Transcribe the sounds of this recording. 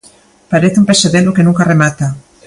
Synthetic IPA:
paɾeθeumpeseðelokenũŋkaremat̪a

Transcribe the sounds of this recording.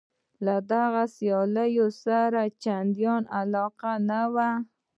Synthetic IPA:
lad̪aɣasijɑləjosaɾat͡ʃand̪jɑnalɑqanawa

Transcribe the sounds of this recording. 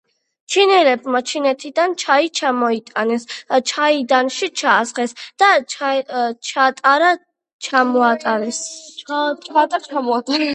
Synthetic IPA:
t͡ʃʰinɛlɛbmat͡ʃʰinɛt̪ʰid̪ant͡ʃʰait͡ʃʰamɔit̪ʼanɛst͡ʃʰaid̪anʃit͡ʃʰaːsχɛsd̪̥a | t͡ʃʰat̪ʼaɾa | t͡ʃʰamɔat̪ʼaɾɛs | t͡ʃʰat̪ʼaɾt͡ʃʰamɔat̪ʼa

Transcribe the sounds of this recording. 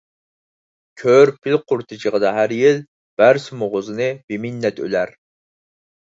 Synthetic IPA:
kʲʰøɾpʰɪlqʰʊɾt̪ʰɨt͡ʃʰəʁəd̪ɑɦæɾjil | b̥æɾsɨmoʁʊzɨnɨb̥ɪminːɛt̪ʰø̰læɾ

